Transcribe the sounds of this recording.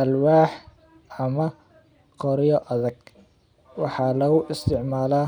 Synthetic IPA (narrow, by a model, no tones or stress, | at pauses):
ʔɐlwaːħ | ɐmɐ | qɔɾɪjɔʔɐðɐɡ̥ | wɑħɑːlɐɣʊʔɪst̪ʰɪʕmaːlaː